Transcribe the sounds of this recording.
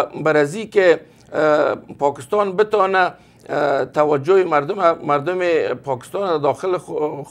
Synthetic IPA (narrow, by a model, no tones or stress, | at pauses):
baɾazike | pɔkɪ̥st̪ɑnbɪt̪ɔna | t̪awad͡ʒoɪmaɾd̪ʊmamaɾd̪ʊmepɔkɪ̥st̪ɑnd̪ad̪ɔxɪl